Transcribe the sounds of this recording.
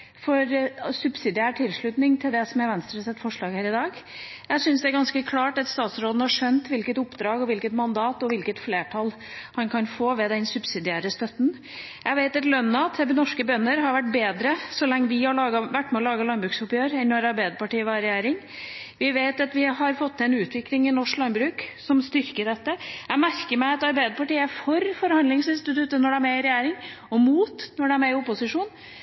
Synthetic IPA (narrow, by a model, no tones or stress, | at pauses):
fɔɾsʉbsɪd̪ɪæːʈʰɪlʂɭʉt̪nɪŋt̪ʰɪld̪ɛsɔmæɾʋænst̪ʰɪlɔsɛt̪ːfɔʂɭɑːɡhæːɾɪd̪ɑːɡjæɪsʏnsd̪ɛæɾɡɑnskəkʰlɑːʈɑt̪st̪ɑːt̪sɾoːd̪n̩hɑʂœnt̪ʋɪlkət̪ʊpːd̪ɾɑːɡɔʋɪlkət̪mɑnd̪ɑːt̪ɔʋɪlkət̪fleːʈʰɑl | hɑnkʰɑnfoːʋɛd̪ɛnsʉbsɪd̪ɪæːɾəst̪œt̪n̩ | jʔæɪʋeɪt̪ɛt̪lœnːɑt̪ʰnɔʂkəbœnːəɾɦɑɾʋæʈ̚ːbeːd̪ɾəsɔlɛŋːəʋɪhɑɭɑːɡɑʋæʈːmɛɔlɑːɡɑlɑnbɾʉːksʊpjøːɾɛnːɔɾɑɾbæɪd̪əpɑʈiːəʋɑɾɾɛjæːɾɪŋ | ʋɪʋeɪt̪ɑt̪ʋɪɦɑɾfɔt̪ʰːɛnʉːt̪ʋɪklɪŋɪnɔʂklɑnbɾʉːksɔmst̪ʏɾkəɖɛt̪ːəæmæɾkəɾmæɪɑt̪ɑɾbæɪd̪əpɑʈiːəæfɔɾfɔɾhɑnd̪lɪŋsɪnst̪ɪt̪ʉt̪ːənɔɖɛmɛɪɾɛjæːɾɪŋ | ɔmuːt̪nɔɖɛmɛɪʊpːʊsɪʂuːn